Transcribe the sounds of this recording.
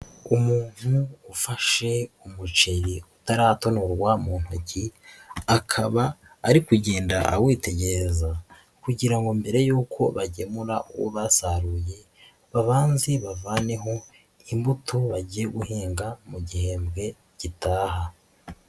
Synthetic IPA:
umuːn̥huːfaʃe̞umut͡ʃe̞ɾiutaɾaːto̞noɾɡwamuːn̥uuciakʰaβaː | ɾikuɟe̞ːndaʔawiːte̞ɟeɾeza | kuɟiɾaŋɡo̞mbe̞ɾe̞juːkʰo̞βaɟemuɾaʔuwo̰βasaɾuje̞ | βaβaːnziβavaːne̞ɦo̞ | imbutʰoβaɟijeɡuhiːŋɡamuɟihe̞ːmbɡe̞ | ɟ̥itaːha

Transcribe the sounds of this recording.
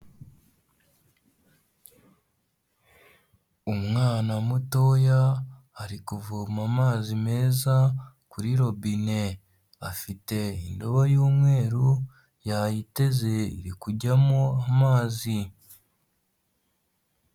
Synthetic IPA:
umŋaːnamuto̞ja | aɾikuvumamaːzime̞ːza | kuɾiɾo̞βine̞ | afite̞indo̞βojuːmŋe̞ːɾu | jajite̞ze̞ḭɾikuɟamoamaːzi

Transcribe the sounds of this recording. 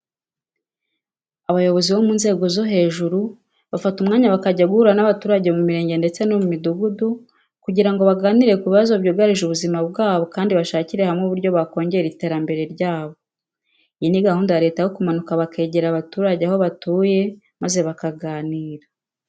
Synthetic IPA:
aβajo̞βo̞ziβo̞muːnze̞ːɡo̞zo̞ɦe̞ːʒuɾu | βafatumŋaːɲaβakaɟaɡuhuɾanaβatuːɾaɟe̞mumiɾe̞ːɲɟe̞nde̞t͡se̞nomumiduɡudu | kuɟiɾaŋɡo̞βaɡaːniɾe̞kuβiβazo̞βɟoːɡaɾiʒuβuzimab̚ɡaːβo̞kaːndiβaʃaːciɾe̞hamŋeuβuɾɟo̞βako̞ːɲɟe̞jeɾite̞ːɾambe̞ɾe̞ɾɟaːβo̞ | ijiniɡahuːndajaɾe̞ːtajokumanukaβake̞ːɟe̞ɾaβatuːɾaɟeaɦo̞βatuːje̞ | maze̞βakaɡaːniːɾa

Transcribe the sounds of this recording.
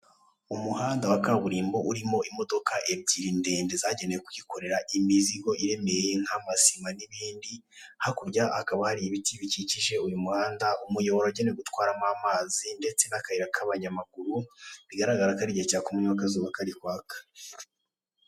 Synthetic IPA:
umuhaːndawakaβuɾiːmbo̞ʔuɾimo̞ʔimo̞do̞kaʔe̞b̚ɟiːɾinde̞ːndezaɟe̞ne̞jekuɟiko̞ɾe̞ɾaʔimiziɡo̞ʔiɾe̞me̞jeŋ̥hamasimaniβiːndi | hakuɾɟaʔakaβahaɾiiβitiβiciciʒe̞ujumuhaːndaumujo̞βoɾoaɟeneɡutwaːɾamamazinde̞t͡se̞nakahiɾakʰaβaɲamaɡuɾuβiɡaɾaɡaɾakaɾiɟecakumuɲuwakazuβakaɾikwaːkḁ

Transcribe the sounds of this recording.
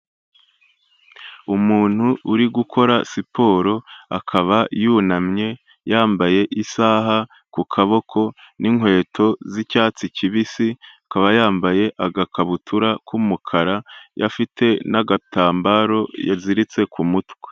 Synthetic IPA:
umuːn̥huːɾiɡukʰo̞ɾasipʰo̞ːɾo̞akʰaβajuːnamɲe̞ | jaːmbaje̞ʔisaːɦa | kukʰaβo̞kʰo̞niŋwe̞ːtʰo̞zicaːt͡siciβisiakaβajaːmbaje̞ʔaɡakʰaβutʰuɾakʰumukʰaɾajafitʰe̞naɡataːmbaɾo̞jaziɾit͡se̞kʰumutwe̥

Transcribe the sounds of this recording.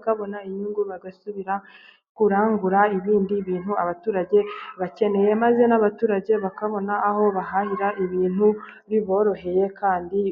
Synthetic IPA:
kaβo̞naiɲuŋɡuβaɡasuβiɾa | kuɾaːŋɡuɾaiβiːndiβiːnhuaβatuːɾaɟe̞βace̞ne̞je̞maze̞naβatuːɾaɟe̞βakaβo̞naːho̞βaɦahiɾaʔiβiːn̥huβiβo̞ːɾo̞ɦe̞je̞kʰaːndi

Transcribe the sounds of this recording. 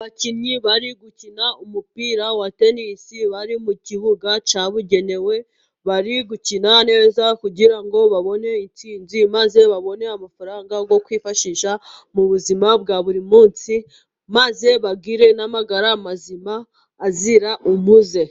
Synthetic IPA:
βaciɲɲiβaɾiɡucinaumupiːɾawate̞nisiβaɾimuciβuɡat͡ʃaβuɟe̞ne̞we̞ | βaɾiɡucinane̞zakuɟiɾaŋɡo̞βaβo̞ne̞it͡siːnzimaze̞βaβo̞ne̞amafuɾaːŋɡaɡo̞kwiːfaʃiʃamuβuzimabɡaβuɾimuːnsi | maze̞βaɡiɾe̞namaɡaɾamazimaː | ziɾaʔumuze̞

